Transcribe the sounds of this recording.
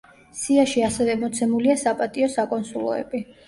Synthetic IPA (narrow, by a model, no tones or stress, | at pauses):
siaʃiasɛvɛmɔt̪sʰɛmuliasapʼat̪ʼiɔsakʼɔnsulˠɔ̰ɛ̰bi